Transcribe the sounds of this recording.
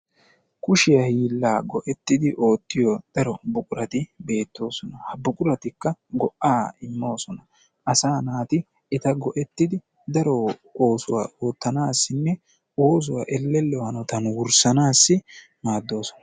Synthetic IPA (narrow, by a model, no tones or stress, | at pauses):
kʊʃɪjɐhiːlːaːɡɔʔɛt̪ːɪd̪ɪʔo̞ːt̪ːɪjɔd̪̥ɐɾɔbʊkʼʊɾɐt̪ɪbe̞ːt̪ːo̞ːsɔnɐhɐbʊkʼʊɾɐt̪ɪkːɐɡɔʔaːɪmːo̞ːsɔnɐ | ʔɐsaːnaːt̪ɪ | ɪt̪ɐɡɔʔɛt̪ːɪd̪ɪ | d̪ɐɾɔo̞ːsʊwa̰ːʔo̞ːt̪ːɐnaːsːɪnːɛ | o̞ːs̬ʊwa̰ʔɛlːɛlːɛwɐnɔt̪ɐnwʊɾsɐnaːsːɪ | maːd̪ːo̞ːsɔ̥nɐ̥